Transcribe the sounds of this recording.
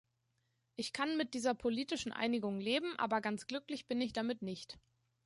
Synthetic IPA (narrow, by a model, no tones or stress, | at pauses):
ʔɪçkʰanmɪt̚d̥iːzɐpʰoliːtɪʃn̩ʔa̰ɪnɪɡʊŋleːbm̩ʔa̰ːbɐɡant͡sɡ̥lʏklɪçb̥ɪnɪçd̥amɪtnɪçt